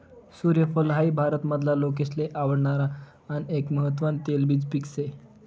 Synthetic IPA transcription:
suɾjəfəlɦaibʱaɾət̪məd̪ʱlalokesleʔaʋəɽɳaɾaː | niekməɦət̪̬ʋant̪elbiːd͡zpikse

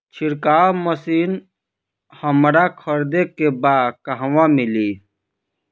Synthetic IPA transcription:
t͡ʃʰɪɾkaːməsiːn | həmɾakʰəɾd̪ekebaːd̪kəɦwãmɪli

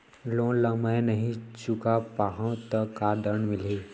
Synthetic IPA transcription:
lõːləmajnɐɦĩt͡ʃʊkapaɦãt̪əkaːd̪əɳmɪleː

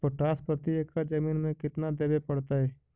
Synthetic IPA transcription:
poʈaːspət̪iekːad͡ʒɐmiːnmẽkɪt̪nad̪eːbepɐɽt̪aɦɛː

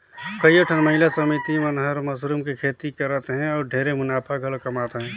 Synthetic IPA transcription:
kəjoʈʰənmɐɦɪlasəmit̪imənɦəɾməsɾumkikʰeːt̪ikəɾət̪eɦɛ̃ɔːɾɖʱeːɾemʊnaːpʰaɡʱəlkɐmaːt̪eɦɛ̃ː

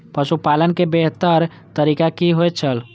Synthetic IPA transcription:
pəʃupalənkebeɦt̪əɾ | t̪əɾikakiɦojt̪̚t͡ʃʰəl

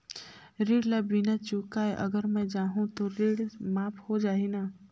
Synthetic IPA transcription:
ɾiːɽlabinat͡ʃuːkaɛʔɐɡəɾmɛ̃d͡ʒaːɦũt̪oɾiːɽmaːphod͡ʒaːinaː

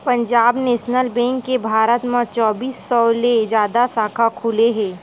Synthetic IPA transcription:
pə̃ɲd͡ʒaːbneːʃnəlbɛ̃ːŋkːebʱaːɾət̪mãt͡ʃɔːbiːsːɔːled͡ʒjaːd̪asaːkʰakʰuːleɦɛ̃ː

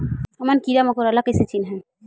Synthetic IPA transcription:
ɔmankiɾamɔkoɾalakeset͡ɕinɦɛ̃

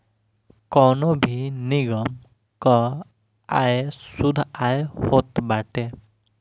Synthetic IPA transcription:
kɔnɔbʱiniɡɔm | kɔ | ajsud̪ʱajhot̪baʈe

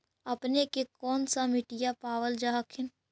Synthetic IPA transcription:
əpnekekɔːnsamɪʈɪjapaːʋəld͡ʒaːɦkʰɪn

